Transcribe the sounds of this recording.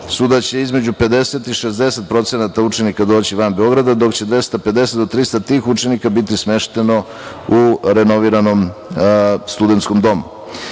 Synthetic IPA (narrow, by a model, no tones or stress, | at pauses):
suːd̪at͡ɕe̞izme̞d͡ʑupe̞d̪e̞se̞t̪iʃezd̪e̞se̞t̪̚pɾo̞t̪senat̪aut͡ʃe̞nikad̪o̞ːt͡ɕiʋanbeo̞ɡɾad̪ad̪o̞kt͡ɕe̞d̪ʋe̞st̪aped̪e̞set̪d̪ot̪ɾist̪at̪iːxut͡ʃe̞nikabit̪̬ismeʃt̪e̞no̞ | uɾeno̞ʋiːɾano̞m | st̪ud̪et̪sko̞md̪o̞mu